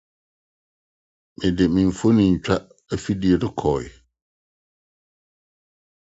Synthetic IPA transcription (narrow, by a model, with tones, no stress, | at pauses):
mɪ̃˨dɪ˨mɪ̃˨ɱ̩˨fo˦nɪ̃˨ɲ̩˨t͡ɕᶣa˦ | ɛ˦fi˦di˨e˨dɪ˦kʰɔ˨ɪ̰˨